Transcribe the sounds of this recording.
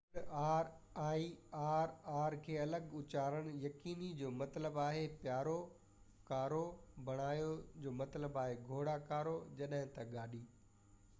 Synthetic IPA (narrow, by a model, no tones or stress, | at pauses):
aːɾaːiaːɾaːɾkʰeːɐləɠʊt͡ɕaːɾəɽ̃jɐkiːnid͡ʑoːmɐt̪ləbaːɦepjaːɾo | kaːɾobʱɐɽ̃aːjod͡ʑoːmɐt̪ləbaːɦeɡʱoːɽakaːɾod͡ʑɐɗɦɪ̃t̪ɐɠaːɗiː